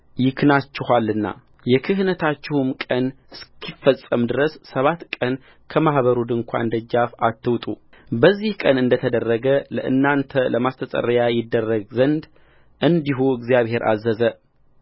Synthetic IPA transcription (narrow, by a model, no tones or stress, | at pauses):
jɪkʰnat͡ʃːɪhalːɨnːa̰ | jɛkʰɨɦnət̪ʰat͡ʃːɪhumkʼən | skʰifːəsʼəmd̪ɨɾəsːəβat̪kʼən | kʰəmahβəɾud̪ɨŋkʷʰa̰ɨnd̪əd͡ʒafat̪ʰːɨwt̪ʼu | bəzːihkʼənɨnd̪ət̪ʰəd̪ərːəɡələ̰ʔɨ̰nːant̪ʰələmast̪ʰət̪ʼə̰rəjajɪd̪ːərːəɡzənd̪ | ʔɨnd̪iɦuɨɡzjaβhe̞ɾʔa̰zːəzə